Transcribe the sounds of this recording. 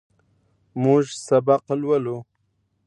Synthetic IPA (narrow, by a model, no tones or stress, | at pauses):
mʊʒsabaqlwəlu